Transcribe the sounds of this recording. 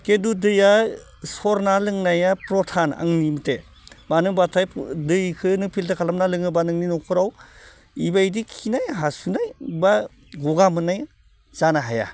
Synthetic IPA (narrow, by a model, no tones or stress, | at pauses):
kedudɯja | sɔɾnalɯŋnajapɾɔtʰana̰ŋnimɯte | manɯŋbatʰajdɯjkʰɯnɯpʰiltakʰalamnalɯŋɯbanɯŋninɔkʰɯɾaw | ibajdikʰinajɦasunajba | ɡɔɡamɯnaj | z̥anaɦaja̰